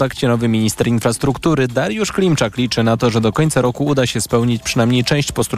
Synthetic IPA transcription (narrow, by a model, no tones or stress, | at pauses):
t̪akt͡ɕɛnɔvɘmʲiɲist̪ɛɾinfɾast̪ɾukt̪uɾɘd̪aɾjuʂklʲimt͡ʂaklʲit͡ʂɘnat̪ɔʐɛd̪ɔkɔɲt̪saɾɔkuud̪aɕɛspɛwɲit͡ɕpʂɘnamɲejt͡ʂɛ̃w̃ɕt͡ɕpɔst̪ɾ